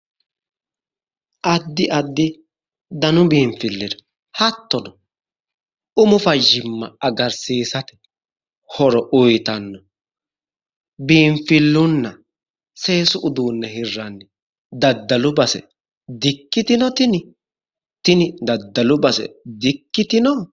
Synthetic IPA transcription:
ʔɐd̪ːɪʔɐd̪ːɪ | d̪ɐnʊbiːɱfɪlːɪd̪ɐ̥ | hɐt̪ːɔdɔ | ʊmʊfɐʒːɪmːɐɐɡɐɾsiːsɐt̪ɛ̥ | hɔɾɔʔʊjt̪ɐnːɔ | biːmfɪlːʊnːɐ | se̞ːsʊʔʊd̪uːnːɛhɪrːɐnːɪ | d̪ɐd̪ːɐlʊbɐsɛ̰ | d̪ɪkːɪt̪ɪnɔt̪ɪnɪ | t̪ɪnɪd̪ɐd̪ːɐlʊbɐsɛ̰d̪ɪkːɪt̪ɪnɔ

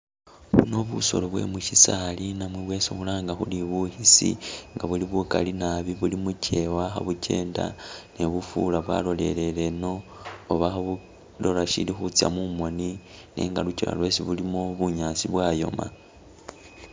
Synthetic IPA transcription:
uno̞βuso̞̰loβwe̞̰muʃisalinamweβwe̞ːsoxulaːŋɡaxuliβuhisḭŋɡaβuliβukalinaβiβulimucʰe̞waxaβuce̞ːnda̰neβufṵlaβwa̰lo̞le̞̰le̞le̞no̞ːβaxaβu | lo̞laʃḭlixut͡sja̰mumo̞nine̞̰ːŋɡaluciɾa̰lwe̞siβulimoβuɲaːsiβwaːjo̞̰ma̰

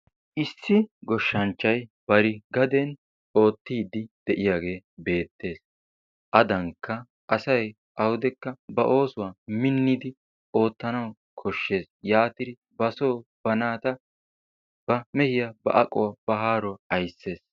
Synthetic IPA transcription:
ʔɪsːɪɡɔʃːɐnt͡ʃːɐjb̥ɐɾɪɡɐd̪ɛn | o̞ːt̪ːiːd̪ːɪd̪̥ɛʔɪjaːɡe̞ːbe̞ːt̪ːe̞ːs | ʔɐd̪ɐŋkʰːɐ | ʔɐsɐj | ʔɐwʊd̪ɛkːɐbɐʔo̞ːsʊwaːmɪnːɪd̪ɪ | ʔo̞ːt̪ːɐnɐw | kʰɔʃːe̞ːsjaːt̪ɪɾɪ | bɐsoːb̥ɐnaːt̪ɐ | b̥ɐmɛhɪjɐbɐ̰ʔɐkʼːɔwab̥ɐɦaːɾɔɐjsːe̞ːs

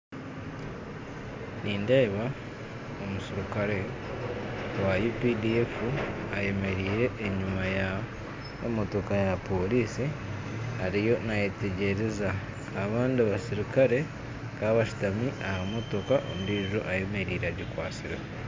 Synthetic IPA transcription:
niːndeːβa | omusiɾikaɾe̞ | wajupidiefuaje̞me̞ɾiːɾe̞ʔːɲumaja | mo̞to̞kajapo̞liːsi | haɾijo̞najete̞ɟe̞ɾe̞zaː | βaːndiβasiɾikaɾe̞ | kaβaʃu̥tamiʔahamo̞to̞kaʔo̰muɾiːiʒo̞ʔaje̞me̞ɾiːɾaɟikwaːt͡siɾe

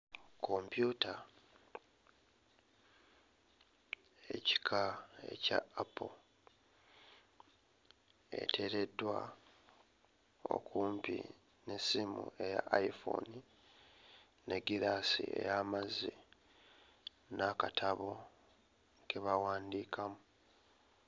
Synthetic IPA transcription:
kʰo̞mpjuːta | e̞ci̥kʰae̞̰ca̰ːpo | e̞̰tʰe̞ɾe̞dːwa̰ | o̞̰kʰuːmpḭ | ne̞simṵe̞ja̰ʔaifo̰ni | neɡiɾasḭe̞̰jaːmazi | nakatʰaβo̞ | ke̞βawaːndiːkʰamu

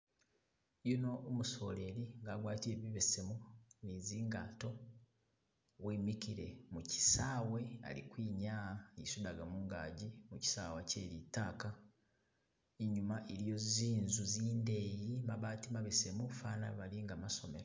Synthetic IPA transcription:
jono̞ːmuso̞̰ːle̞ɾiŋɡaːɡwaːtie̞βiβe̞se̞muniziːŋɡaːto̞ | wemikiɾe̞muci̥saːwe̞a̰lḭkwiːɲaːaḛsudaɡamuːŋɡa̰ːɟimuci̥saːwaceːɾitaːka | iɲumaʔeɾijo̞ziːnzuziːndejimaβaːtimaβese̞mufaːnaβaliŋɡamaso̞meɾa

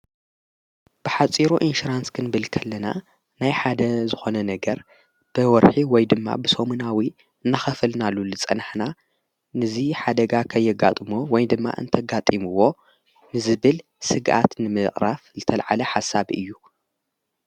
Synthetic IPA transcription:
b̥ɨħat͡sʼiɾuʔinʃuɾanskʰɨnbɨlkʰɐlːɐna̰ | najħad̪ɐzɨxo̞nɐnɐɡɐɾ | b̥ɨwɔɾħiwɔjd̪ɨmːa̰bɨsomunawi | ɨnːaxɐfɨlnalːulɨt͡sʼɐ̰nħna | nɨziħad̪ɐɡakʰɐjːɪɡat̪ʼmuwɔjd̪ɨmːa̰ʔɨ̰nt̪ʰɐɡat̪ʼimuwo̞ | nɨzɨβɨl | sɨɡʔa̰t̪nɨmɨχʼɾafzɨt̪ʰɐlʕalɐħasabʔɨ̰jːu

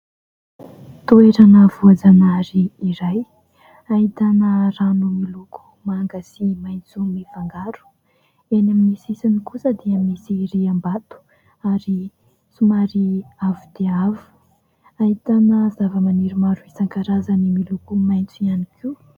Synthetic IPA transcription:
t̪oeɾanəvuad͡zanaɾiːɾaj | aɦit̪anəranumiluku̥ | maŋɡəsimaj̃nt͡sumifaŋɡaɾu̥ | enaminisisinikusəd̪eaminisireambat̪u̥ | aɾi | sumaɾiavid̪eavu̥ | aɦit̪anəzavəmaniɾimaɾuisaŋkaɾazanimilukumajnt͡suianikʰiu

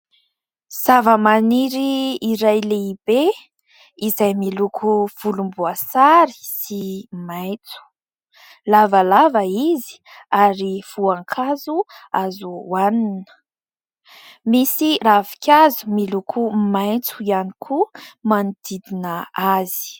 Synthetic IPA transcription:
z̥avəmaniɾiːɾajleib̥e | izajmilukʰuv̥ulumbuasaɾi̥simajt͡su̥ | lavəlavəizi̥aɾifuaŋkʰazuazuːaninə̥ | misiravi̥kʲʰazumilukʰumajt͡suianikʰumanid̪id̪inəazi̥

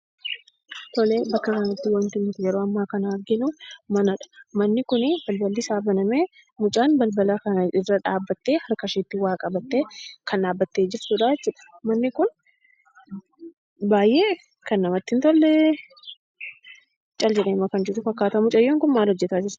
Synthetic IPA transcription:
t̪ɔle̞ːbɐkːɐkɐnɐt̪ːɪwɐnt̪ɪmːɪt̪ɪd͡ʒɐɾoːɐmːaːkɐnɐɐɾɡɪnʊmɐnɐᶑɐ̥mɐnːɪkʊnɪbɐlbɐlːɪsaːbɐnɐmeː | mʊt͡ʃʼaːnbɐlbɐlakɐnɐɪrːɐᶑaːbːɐt̪ːe̞ːhɐɾkɐʃeːt̪ːɪwaːkʼɐbɐt̪ːeːkʰɐnᶑaːbːɐt̪ːeːd͡ʒɪɾt̪uᶑaːd͡ʒɛt͡ʃːʊːᶑɐ̥mɐnːɪkʊn | baːjʔe̞ː | kɐnːɐmɐt̪ːɪnt̪ɔlːɛ | t͡ʃʼɐld͡ʒɛᶑeːmɐkɐnd͡ʒɪɾʊfɐkːaːt̪ɐmʊt͡ʃʼɐjːoːŋkʊnmaːlhɔd͡ʒːɛt̪aːd͡ʒɪɾ

